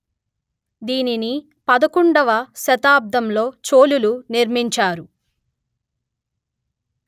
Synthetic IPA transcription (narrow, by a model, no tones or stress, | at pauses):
d̪iːnini | pɐd̪ɐkuɳɖɐʋɐʃɐt̪aːb̚d̪ɐmlo̞ːt͡ʃo̞ːluluniɾmiɲt͡ʃaːɾu